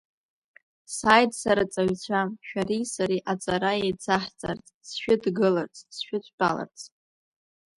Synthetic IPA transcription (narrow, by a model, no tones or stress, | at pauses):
sajdsaɾat͡sʼaɥt͡sʷʰamʃᶣaɾisaɾiʔat͡sʼaɾaejt͡sʰaħt͡sʼa̰rt͡sʼsʃᶣʊdɡɨlart͡sʼsʃᶣʊt͡ɕʷʰʼb̥a̰la̰rt͡sʰʼ